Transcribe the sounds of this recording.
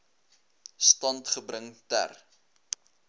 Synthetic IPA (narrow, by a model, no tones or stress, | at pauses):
stɐntχəbrəŋtæ̰r